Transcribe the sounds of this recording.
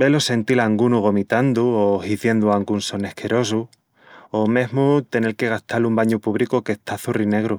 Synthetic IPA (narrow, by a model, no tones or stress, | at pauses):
be̞lo̞se̞nt̪ilaŋɡunuɣ̞o̞mit̪and̪uohiθje̞nd̪uaŋɡunso̞ne̞hkʰe̞ɾo̞s̬u | ome̞ɦmut̪e̞ne̞lke̞ɣ̞aht̪alumbaɲupuβɾikoke̞ht̪aθurine̞ɣɾu